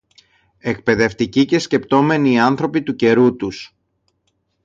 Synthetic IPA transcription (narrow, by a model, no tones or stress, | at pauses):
e̞kpe̞ðe̞ft̪icice̞sce̞pt̪o̞me̞niɐnθɾo̞pit̪uce̞ɾut̪us